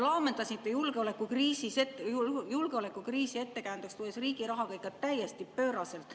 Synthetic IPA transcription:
lɑːme̞nd̪̥ɑsint̪ːˑejulɡeo̞lekːukriːsiset̪julɡ̥eole̞kːˑukriːsie̞t̪ːe̞kæjnd̪ekst̪uesriːɡ̥iɾɑɦɑɡ̥ɑikːˑɑt̪æjːest̪ipø̞ːɾɑse̞lt̪ːˑ

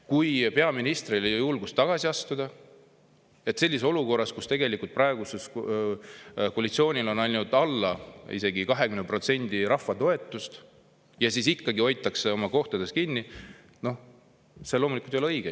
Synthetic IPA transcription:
kujpe̞ɑminist̪rilejojulɡ̥ust̪ːɑɡ̥ɑsiɑst̪ud̪̥ɑ | e̞t̪se̞lʲːiso̞luko̞rːɑskust̪e̞ɡe̞likult̪̚prɑeɡ̥uses | koɑlʲit̪sio̞ːnʲilo̞nɑjnud̪ɑlːɑḭse̞ɡikɑɦe̞kymnepro̞t̪se̞nd̪̥iɾɑfːɑt̪o̞e̞t̪ːˑust̪ | jɑsisikːɑɡio̞jt̪ːˑɑkseo̞mɑko̞ht̪ɑd̪e̞skinːi | no̞h | selo̞ːmulikult̪ejoleɤjɡ̥e

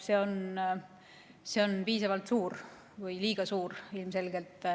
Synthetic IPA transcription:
se̞o̞n | se̞o̞npiːsɑvɑlt̪suːɾ | vɯjliːɡ̥ɑsuːɾilmse̞lɡ̥e̞lt̪ˑ

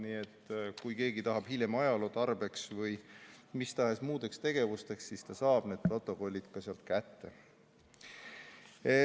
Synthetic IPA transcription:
niːe̞t̪ːkujke̞ːɡit̪ɑɦɑb̥hilʲjemɑjɑlo̞ːt̪ɑrb̥e̞ksvɤjmist̪ɑɦe̞smuːd̪e̞kst̪e̞ɡ̥e̞vust̪e̞kssist̪ɑsɑːb̥ne̞d̪̚pro̞t̪ːˑo̞ko̞lʲːid̪̥kɑseɑlt̪kæt̪ːe̞̰

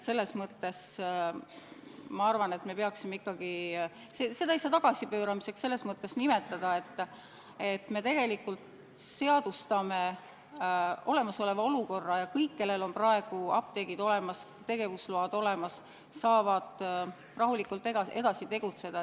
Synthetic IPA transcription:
t̪se̞lːe̞smɤt̪ːe̞s | mɑɑrvɑne̞t̪me̞peɑksimeikːɑɡ̥i | sese̞d̪̥ɑiseɑt̪ɑɡ̥ɑsipøːɾɑmise̞ksse̞lːe̞smɤt̪ːˑe̞snime̞t̪ːˑɑd̪̥ɑe̞t̪ː | et̪me̞t̪e̞ɡ̥e̞likːult̪ | se̞ɑd̪̥ust̪ɑme̞ | o̞̰le̞mɑso̞le̞vɑo̞luko̞rːɑjɑkɤjkːe̞lːe̞lo̞nprɑe̞ɡ̥uɑp̚t̪e̞ɡ̥id̪o̞le̞mɑs | t̪e̞ɡ̥e̞vusluɑd̪̥o̞le̞mɑsː | ɑːvɑd̪̥ | rɑɦulikult̪ːˑeɡɑe̞̰d̪̥ɑsit̪e̞ɡ̥ut̪se̞d̪̥ɑ

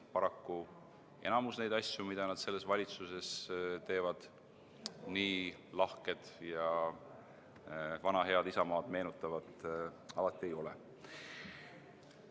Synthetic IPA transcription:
pɑɾɑkːu | ʔe̞̰nɑmusne̞jd̪ɑsjumid̪̥ɑnɑd̪̥se̞lːe̞svɑlʲit̪suse̞st̪e̞ːvɑd̪̥ | niːlɑhke̞d̪̥jɑ | vɑnɑɦe̞ɑd̪isɑmɑːd̪̥me̞ːnut̪ˑːɑvɑd̪ɑlɑt̪ːˑie̞jo̞lɛ

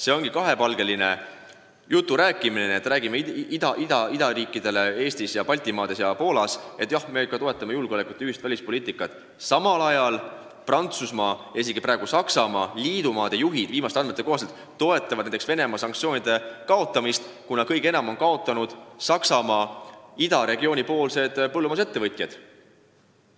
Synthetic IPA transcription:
se̞o̞ŋɡikɑɦe̞pɑlɡ̥e̞line̞̰ | jut̪ːˑuɾæːkˑːimineniet̪ːɾæːɡimeid̪̥ɑʔid̪ɑid̪ɑɾiːkːˑid̪̥e̞le̞e̞ːst̪isjɑpɑlʲt̪imɑːd̪̥e̞sjɑpo̞ːlɑse̞t̪ːˑjɑhme̞kːɑt̪o̞e̞t̪ːˑɑmejulɡ̥eole̞kːˑut̪ːˑyhist̪vælʲispo̞liːt̪ːˑikːˑɑt̪ːˑ | sɑmɑlɑjɑl | prɑnt̪susmɑːʔe̞s̬iɡ̥ipɾɑːˑe̞ɡusɑksɑmɑːlʲiːd̪̥umɑːd̪̥e̞juɦid̪̥viːmɑst̪ɑnmet̪ːˑe̞ko̞ːset̪ˑ | t̪o̞e̞t̪ːˑɑvɑd̪næj̪t̪eksve̞ne̞mɑːsɑŋkt̪sio̞ːnʲid̪̥e̞kɑo̞t̪ːˑɑmist̪kunɑkɤjɡe̞nɑmo̞nkɑo̞t̪ːˑɑnud̪̥sɑksɑmɑːid̪ɑɾe̞ɡio̞ːnʲipo̞ːlse̞d̪̥pɤlːumɑs̬e̞t̪ːe̞vɤt̪ˑjɑd̪̥

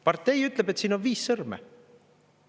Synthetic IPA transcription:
pɑrt̪ˑːe̞jyt̪ˑlebe̞t̪siːnonviːsːɤrmḛ

